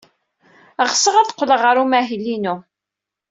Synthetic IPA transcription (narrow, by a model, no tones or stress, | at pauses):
əʁsəʁæðqʷːələʁəɾumæɦilːinu